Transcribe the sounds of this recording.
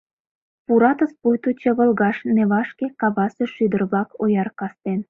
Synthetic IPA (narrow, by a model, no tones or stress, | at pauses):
puɾɑt̪əspujt̪ut͡ɕə̆βə̆lɣɑʃneβɑʃkekɑβɑsĕʃyd̪ərblɑkʰojɑrkɑst̪en